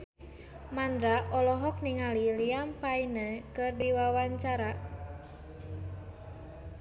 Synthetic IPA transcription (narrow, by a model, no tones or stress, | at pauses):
mand̪ɾaɔlɔɦɔk̚niŋaliliampainəkɨrdiwawaɲt͡ʃaɾa